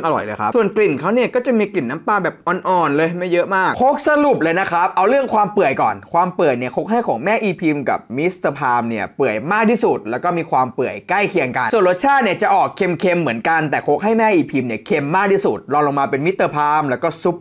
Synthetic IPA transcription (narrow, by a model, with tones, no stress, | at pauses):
ŋʔa˧ɾɔ̰˨˩jlɤː˧jkʰa˦˥su˨˩ənkli˨˩nkʰa˨˦˥wni˥˩ɐkɔː˥˩t͡ɕa˨˩miː˧kli˨˩nːa˦˥mpaː˧bɛː˨˩p̚ʔɔ˧nʔɔː˨˩nlɤː˧jhma˥˩jɤ˦˥ʔmaː˥˩k̚kʰo˦˥k̚sa˧lu˨˩p̚lɤː˧jna˦˥kʰɾa˦˥p̚ʔa˧wɾɯ˥˩əŋkʰwaː˧mpɯ˨˩əjkɔ̰ː˨˩nkʰwaː˧mpɯ˨˩əni˥˩əkʰo˦˥k̚ɦa˥˩jkʰɔ̰ː˩˦ŋmɛː˥˩ʔiː˧pʰiː˧mka̰˨˩p̚mi˦˥st̪a˧pʰaː˧mni˥˩ɐpɯ˨˩əjmaː˥˩k̚t̪ʰiː˥˩su˨˩t̪̚lɛː˦˥wkɔː˥˩miː˧kʰwaː˧mpɯ˨˩əjkla˥˩jkʰi˧əŋka˧nsu˨˩ənɾo˦˥t̪̚t͡ɕʰaː˥˩t̪̚ni˥˩ɐt͡ɕa˨˩ʔɔː˨˩kʰːe˧mkʰe˧mːɯ˩˦ənka˧nt̪ɛː˨˩kʰo˦˥k̚ɦa˥˩jmɛː˥˩ʔiː˧pʰiː˧mni˥˩əkʰe˧mːaː˥˩k̚t̪ʰi˥˩sṵ˨˩t̪̚lɔː˧ŋlo˧ŋmaː˧pe˧nmi˦˥t̪ːɤː˧pʰaː˧mlɛː˦˥wkɔː˥˩su˦˥p̚